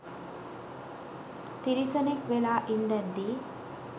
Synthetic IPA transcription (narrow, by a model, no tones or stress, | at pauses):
t̪iɾisənekʋelaːʔind̪ɛnd̪i